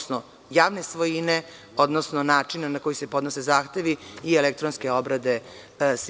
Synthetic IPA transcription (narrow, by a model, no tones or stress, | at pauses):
sno | jaːʋnesʋojine | od̪nosnonaːt͡ʂinanako̞jise̞po̞d̪nose̞zaːxt̪e̞ʋiːelek̚t̪ɾonskeo̞bɾad̪e̞ | s